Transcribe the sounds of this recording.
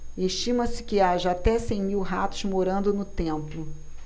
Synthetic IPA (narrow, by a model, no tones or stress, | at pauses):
eʃt͡ʃĩmɐsɪ̥kɪaʒɐat̪ɛsẽj̃miwɦat̪ʊzmoɾɐ̃nd̪ʊnʊt̪ẽmplʊ